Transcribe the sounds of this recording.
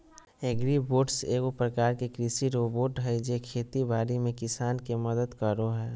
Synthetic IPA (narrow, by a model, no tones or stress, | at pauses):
eɡɾiboːɖseːɡopɾəkaːɾkekɾisiɾoboːʈɦɛd͡ʒekʰeːt̪ibaːɾimẽkɪsaːnkeməd̪əd̪kəɾoɦɛː